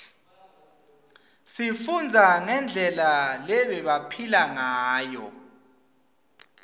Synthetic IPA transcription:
sifund͡zʱaŋɛnd͡ɮʱɛlalɛɓɛɓapʰilaŋaːjɔ̰

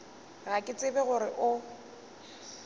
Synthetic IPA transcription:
ɣakʼɪt͡sʼɪbɛɣʊɾɪʔʊ

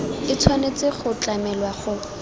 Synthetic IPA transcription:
ɪt͡sʰwanet͡sɪχʊt͡ɬʼamɛlwaχʊ

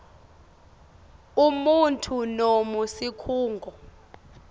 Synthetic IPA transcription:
umuntʰunomusikʰuːŋɡʱɔ

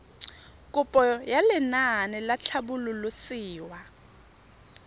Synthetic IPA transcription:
kʼupʼɔjalɛnanɪlat͡ɬʰabululusiːwa

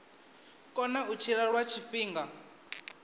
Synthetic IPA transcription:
kʼɔnaut͡ʃʰiɺaɺwat͡ʃʰiɸiːŋɡa

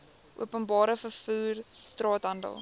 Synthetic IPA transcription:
ʔṵəpənbɑːɾəfərfuːrstrɑːtɦɐndə̰lˠ

